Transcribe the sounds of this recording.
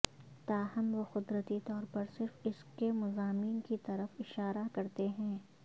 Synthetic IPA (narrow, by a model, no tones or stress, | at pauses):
t̪aːɦɐmʋoxʊd̪ɾət̪it̪ɔːɾpɐɾsɪɾfɪskemʊzaːmiːnkit̪ɐɾəfɪʃaːɾakɐɾt̪eɦɛ̃ː